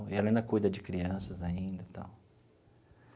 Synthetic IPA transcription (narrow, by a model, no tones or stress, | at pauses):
ɪɛlɐaĩd̪ɐkujd̪ɐd͡ʒɪkɾiɐ̃sɐzaĩnd̪ɐt̪a̰w